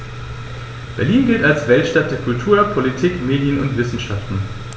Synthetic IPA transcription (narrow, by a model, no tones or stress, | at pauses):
b̥ɛɐliːnɡɪltalsvɛltʃtat̚d̥eːɐkʰʊltʰuːɐpʰolitʰiːkmeːdjənʊntv̥ɪsn̩ʃaftn̩